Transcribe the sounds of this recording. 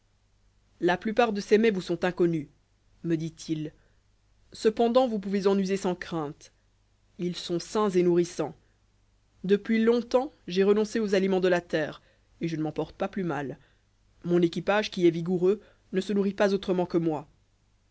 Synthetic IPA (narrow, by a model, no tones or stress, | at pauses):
laplypaʁd̪əsemɛvusɔ̃t̪ɛ̃kɔny | məd̪it̪ʰil | səpɑ̃d̪ɑ̃vup̬uvezɑ̃nyzesɑ̃kχɛ̃t̪ | ilsɔ̃sɛ̃zenuʁisɑ̃ | d̪əpɥilɔ̃t̪ɑ̃ʒeʁənɔ̃seozalimɑ̃d̪əlat̪ɛːʁ | eʒənəmɑ̃pɔʁt̪ə̥paplymal | mɔ̃nekʲipaʒkʲiɛviɡuʁø | nəsənuʁipazot̪χəmɑ̃kəmwa